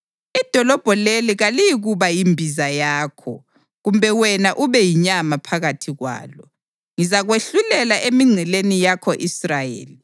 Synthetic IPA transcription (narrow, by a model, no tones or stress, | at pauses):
id̥ʱɔlɔb̥ʱɔleliɣalijiɣuβajimbʱizajaːkʰɔ̰ | ɣumbʱɛwɛnaʔuβɛjiɲamapʰaɣatʰiɣwa̰ːlɔ | ŋizaɣweɬulɛlaʔemiŋ͡ǀʱɛlenijakʰɔʔisrajḛːli